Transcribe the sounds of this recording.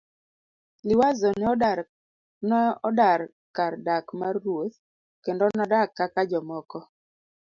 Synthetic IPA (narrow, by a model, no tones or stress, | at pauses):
lɪwazɔnɛɔda | nɔdar | kardakmarːwot̪ | kendonadakːakad͡ʒɔmɔkɔ